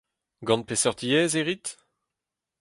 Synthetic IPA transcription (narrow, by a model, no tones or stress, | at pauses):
ɡɑ̃npesœʁd̪ijɛːzeʁit̪